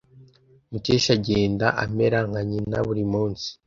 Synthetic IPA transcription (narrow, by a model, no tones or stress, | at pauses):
muteʃaɟeːndaʔameɾaŋ̥aɲinaβuɾimuːnsi̥